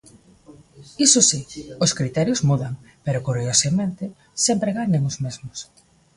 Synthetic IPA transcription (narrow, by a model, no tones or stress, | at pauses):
isʊsioskɾit̪ɛɾjozmuðaŋ | peɾokuɾiosamẽnt̪ɪ | sɛmpɾeɣaɲeŋozmezmʊs